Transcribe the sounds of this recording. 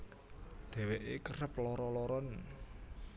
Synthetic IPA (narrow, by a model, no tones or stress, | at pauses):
d̪̥ɛ̤weʔekərəplɔɾɔlɔɾɔn